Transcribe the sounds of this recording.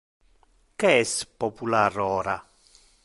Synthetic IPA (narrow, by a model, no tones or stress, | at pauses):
kɛspɔpularɔːɾa